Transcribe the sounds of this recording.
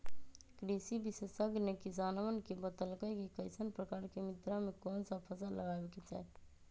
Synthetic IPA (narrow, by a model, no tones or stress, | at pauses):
kɾisibisesəɡnekisanəʋənkebət̪əlkəjkikəɪsənpɾəkaːɾkemit̪ɾamekɔːnsapʰəsaləɡabeket͡ʃa̰ɦɛʈ